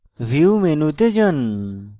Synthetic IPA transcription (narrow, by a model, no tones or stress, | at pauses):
viumenut̪ed͡ʒən